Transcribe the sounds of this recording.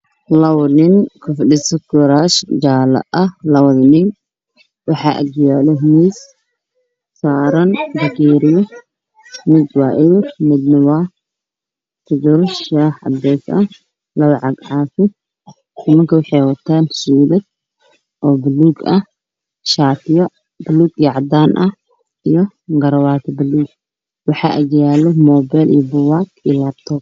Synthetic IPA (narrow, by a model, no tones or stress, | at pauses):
lɐwnɪŋkʰʊfɗɪsɐɡɔɾaːʃd͡ʒaːlɐ̰ʔɐhlɐwɐðnɪŋ | wɑħɑːʔɐ̰ɡjaːlɛɦmis | saːɾɐnd̪ɐɡiːɾɪjɔ | mɪd̪waːʔɪjmɪd̪nɐwaː | t̪ʰɪd͡ʒʊɾʃaːħɐ̰bɛːsɐ | lɐβɐʕɑɡʕaːfɪ | nɪmɐŋkʰɐwɑħɑjwɐt̪ʰaːnsuːbɐd̪̚ | ʔɔːbɪluːɡɐ | ʃaːt̪ʰɪjɔ | bɪluːɡiʕɑd̪aːnʔɐ | ijɔ | ɡɐɾɐwaːt̪ʰɐbɪluːɡ | wɑħɑ̰ːʔɐɡjaːlɔmɔːbɛlʔḭjɔbʊwaːkilaːb̚t̪ʰɔːp